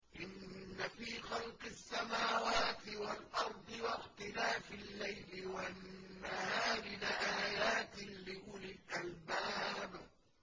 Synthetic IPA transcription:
ʔɪnːafiːxɑlqɪsːamaːwaːt̪ɪwalʔɑɾˤd̪ˤɨwaxt̪ɪlaːfɪlːajlɪwanːahaːɾɪnaʔaːjaːt̪lɪʔʊlɪlʔalbaːb

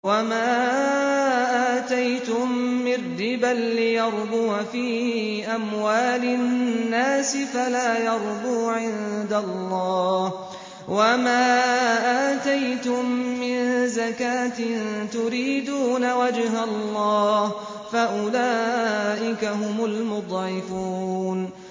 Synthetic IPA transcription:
wamaː | ʔaːt̪ajt̪ʊmːɪrːɪbalːɪjɑɾˤd̪uːfiː | ʔamwaːlɪnnːaːsɪfalaːjɑɾˤd̪uːʕɪnd̪alˤːɑːh | wamaːʔaːt̪ajt̪ʊmːɪnzakaːt̪ɪnt̪ʊɾiːd̪uːnawad͡ʒɦallˤːɑːh | faʔʊlaːʔɪkaɦʊmʊlmʊd̪ˤʕɪfuːn

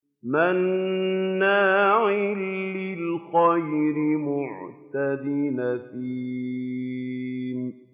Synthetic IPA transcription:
manː | aːʕɪlːɪlxɑjɾɪmʊʕt̪ad̪iːnafiː | m

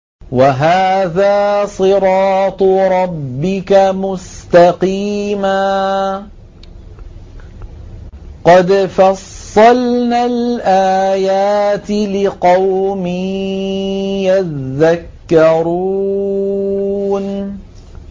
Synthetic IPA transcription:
waɦaːðaːsˤɨɾˤɑːt̪ˤɾˤɑbbːɪkamʊst̪aqiːmaː | qɑd̪fɑsˤːɑlnaːlʔaːjaːt̪ɪlɪqɑwmi | jaðakːɑɾu | n

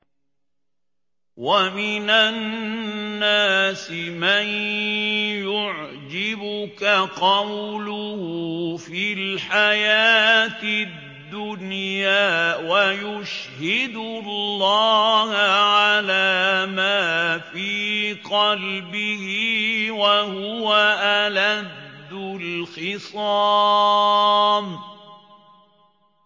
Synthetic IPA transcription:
wamɪnanː | aːsɪman | jʊʕd͡ʒɪbʊkaqɑwlʊhfilħajaːt̪ɪ | d̪ːʊnjaːwajʊʃhɪd̪ʊllːɑːhʕalaːmaːfiːqɑlbɪhɪwahʊwaʔalad̪ːʊlxɪsˤɑː | m

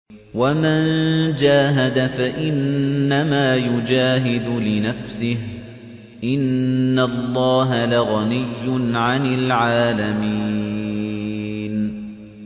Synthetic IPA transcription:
wamand͡ʒaːɦad̪afaʔɪnːamaːjʊd͡ʒaːɦɪd̪ʊlɪnafsɪh | ʔɪnːalˤːɑːɦalaɣɑnɪjːʊnʕanɪlʕaːlamiː | n

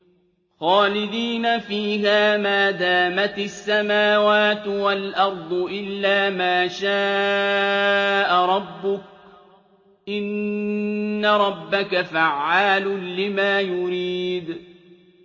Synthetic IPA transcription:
xaːlɪd̪iːnafiːɦaːmaːd̪aːmat̪asːamaːwaːt̪walʔɑɾˤd̪ˤʊʔɪlːaːmaːʃaː | ʔaɾˤɑbːʊk̚ | ʔɪnː | aɾˤɑbːakafaʕːaːlʊlɪmaːjʊɾiːd̪

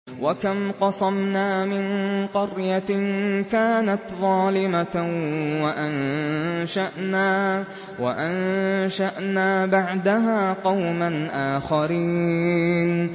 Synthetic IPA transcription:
wakamqɑsˤɑmnaːmɪnqʊɾjakaːnat̪ðˤɑːlɪma | waʔanʃaʔnaː | waʔanʃaʔnaːbaʕd̪aɦaːqɑwmanʔaːxaɾiːn

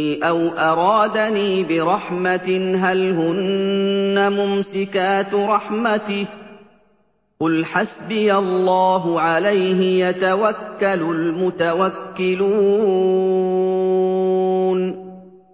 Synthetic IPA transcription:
ʔawʔɑɾˤɑːd̪aniːbɪɾˤɑħmat̪ɪɦalhʊnː | amʊmsɪkaːt̪ɾˤɑħmat̪ɪh | qʊlħasbɪjalːɑːɦʊʕalajɦɪjat̪awakːalʊlmʊt̪awakːɪluː | n

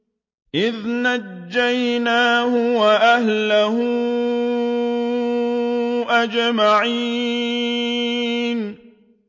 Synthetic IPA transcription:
ʔɪðnad͡ʒd͡ʒːajnaːhʊwaʔaɦlahʊ | ʔad͡ʒmaʕi | n

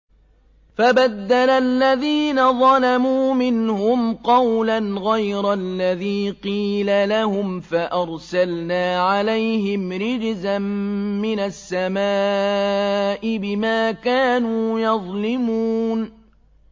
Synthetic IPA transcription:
fabad̪ːalalːaðiːnaðˤɑlamuːmɪnhʊmqɑwlanɣajɾalːaðiːqiːlalahʊmfaʔɑɾˤsalnaːʕalajɦɪmɾɪd͡ʒzamːɪnasːamaː | ʔɪbɪmaːkaːnuːjɑðˤlɪmuːn

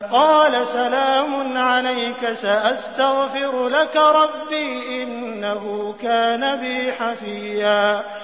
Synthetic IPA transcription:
qɑːlasalaːmʊnʕalajkasaʔast̪aɣfɪɾʊlakaɾˤɑbːiːʔɪnːaɦʊkaːnabɪħafɪjaː

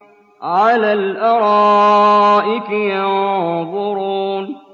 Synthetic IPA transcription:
ʕalaːlʔɑɾˤɑːʔɪkjɑnðˤʊɾuːn

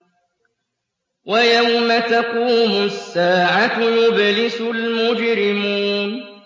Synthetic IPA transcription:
wajawmat̪aquːmʊsːaːʕat̪jʊblɪsʊlmʊd͡ʒɾɪmuːn

